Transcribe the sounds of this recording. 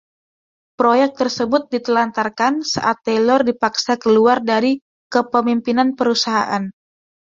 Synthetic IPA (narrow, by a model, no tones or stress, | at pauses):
pɾojɛk̚t̪ərsəbʊt̪̚dit̪əlant̪arkansa̰ʔat̪ːɛlɔrdipaksakəluardaɾi | kəpəmimpinanpəɾusaɦa̰ʔan